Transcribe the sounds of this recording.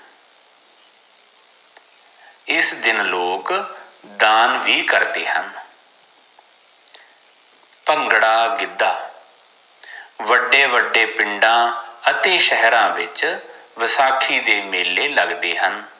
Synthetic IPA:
ɪsd̪ɪnloːkd̪aːnʋiːkəɾd̪eːɦən | pəŋɡɽaːɡɪd̪ːaː | ʋəɖeːʋəɖeːpɪɳɖãːət̪eːʃəɦɾãːʋɪt͡ʃʋəsaːkʰiːd̪eːmeːlːeːləɡd̪eːɦən

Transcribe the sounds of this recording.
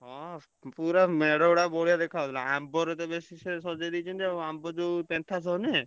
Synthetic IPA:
ɦɔ | puɾameɽɔɽabɔɽijad̪ekʰat̪ilaambɔɾet̪ɔbesisesɔd͡ʒajd̪it͡ʃʰɔnt̪iebambɔd͡ʒupent̪ʰasɔne

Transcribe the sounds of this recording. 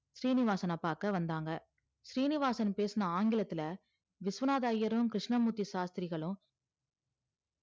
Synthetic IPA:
ʃɾiːnɪʋaːsɐnɐpːaːkɐʋɐnd̪aːŋɡɐ | ʃɾiːnɪʋaːsɐnpeːsɯnɐaːŋɡɪlɐt̪ːɪlɐ | ʋɪsʋɐnaːðaːjɐɾɯ̃kɾɪʂnɐmuːt̪ːiʃaːst̪ɪɾɪɣɐɭɯ̃

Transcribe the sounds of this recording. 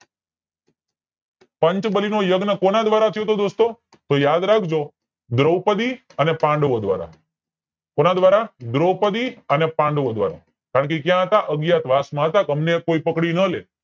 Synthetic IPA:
pəɲt͡ʃbəlinojəɡnəkonad̪ʋaɾat̪ʰijot̪od̪ost̪o | t̪ojad̪ɾakʰd͡ʒo | d̪ɾəwpəd̪i | ənepãɳɖʋod̪ʋa̰ɾa̰ | konad̪ʋaɾad̪ɾəwpəd̪iənepãɳɖʋod̪ʋa̰ɾa̰ | kaɾəɳk̬ekjãɦət̪aʔəɡjat̪ʋasmãɦət̪akəmnekoipəkɽinəle

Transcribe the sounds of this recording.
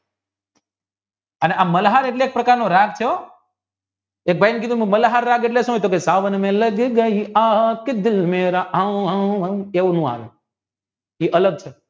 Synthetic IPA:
əneʔamːəlɦaɾeʈleːk̚pɾəkaɾnoɾaɡt͡ʃʰeo | ek̚bʱajnek̬id̪ũmũməlɦaɾːaɡeʈleʃũɦot̪okesaʋənmẽləɡɡəiakɪd̪ɪlmeɾaawɦãeʋunũa̰ʋe | iʔələɡ̚t͡ʃʰe

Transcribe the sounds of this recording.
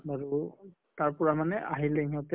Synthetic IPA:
baɹu | taɹpɔɹamanɛʔaɦilɛŋɔtɛ

